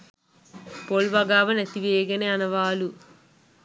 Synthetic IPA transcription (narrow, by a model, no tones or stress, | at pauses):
polʋɐɡaːʋɐnɐt̪iʋeːɡɐneɐnɐʋaːlu